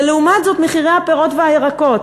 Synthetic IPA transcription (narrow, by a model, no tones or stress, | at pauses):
leumat̪zo̞t̪meχiʁejhapeʁo̞tveajeʁako̞t̪